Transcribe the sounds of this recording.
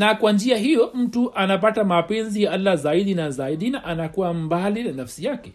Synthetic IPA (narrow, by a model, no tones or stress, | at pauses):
nakwand͡ʒɪjaɦijom̩tuʔanapatamapenzijaʔalːazaːidinazaːidinaʔanakuwambaːlidanafsijaːkʲe